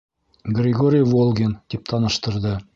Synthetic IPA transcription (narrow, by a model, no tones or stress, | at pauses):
ɡrʲɪɡoɾʲijvolˠɡʲend̪̥ip̚t̪ʰɑnɤ̆ʃt̪ɤ̆ɾd̪ɤ